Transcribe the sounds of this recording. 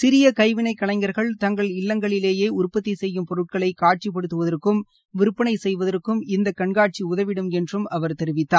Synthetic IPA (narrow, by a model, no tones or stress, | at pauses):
sɪɾɪjɐkɐɪʋɪnɐɪkːɐɭɐɪŋɡɐɾɣɐɭt̪ɐŋɡɐɭɪlːɐŋɡɐɭɪleːjeːʊɾpːɐt̪ːisɛjːɯmpɔɾɯʈ̚kɐɭɐɪkːaːʈ̚t͡ʃipːɐɽɯt̪ːɯʋɐðɐrkːɯm | ʋɪɾɯpːɐɳɐɪsɛjʋɐðɐrkːɯmɪnd̪ɐkːɐɳɡaːʈ̚t͡ʃiʊðɐʋɪɽɯmɛndrɯmɐʋɐɾt̪ɛɾɪʋɪt̪ːaːɾ